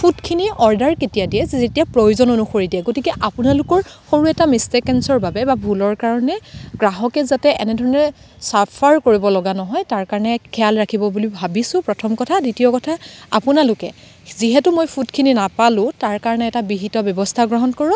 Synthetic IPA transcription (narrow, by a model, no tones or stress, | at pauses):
pʰutkʰiniɔɹdaɹketijadiɛzzetijapɹojuzɔnonuxoɹidiɛɡotikɛʔapʊnalʊkɔɹxoɹuɛtamistekɛnsɔɹbabɛbabʱulɔɹkaɹɔnɛɡɹaɦɔkɛzatɛɛnɛdʱɔɹɔnɔɹɛ | sapʰaɹkoɹibɔlɔɡanɔɦɔjtaɹkaɹɔnɛkʰɛalɹakʰibɔbulibʱabisʊ̃pɹɔtʰɔmkɔtʰaditiɔkɔtʰaapʊnalʊkɛ | ziɦɛtumojpʰutkʰininapalʊ̃taɹkaɹɔnɛːtabiɦitɔbjɔbɔstʰaɡɹɔɦɔnkɔɹɔ